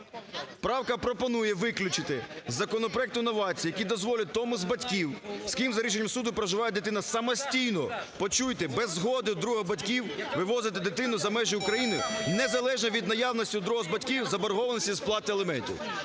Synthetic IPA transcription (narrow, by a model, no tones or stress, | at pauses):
pɾɑwkɐpɾɔpɔnujɛʋɪklʲʊt͡ʃɪt̪ɪzɐkɔnɔpɾɔɛk̚t̪ʊnːɔʋɑt͡sʲiːjɐkʲid̪ɔzʋɔlʲɐt̪ɔmʊzbɐtʲkʲiwskʲimzɐɾʲiʃ̬enʲːɐmsud̪ʊpɾɐʒɪʋɑjɛd̪et̪ɪnɐsɐmɔsʲtʲijnɔpɔt͡ʃujt̪ɪbɛzːɦɔd̪ɪd̪ɾuɦɔbɐtʲkʲiwʋɪʋɔzɪt̪ɪd̪et̪ɪnʊzɐmɛʒɪʊkɾɐjinɪnɛzɐlˠɛʒnɔʋʲid̪nɐjɑwnɔsʲtʲiʊd̪ɾɔɦɔzbɐtʲkʲiwzɐbɐɾɦɔʋɐnɔsʲtʲizplˠɑt̪ɪelˠemɛnʲtʲḭw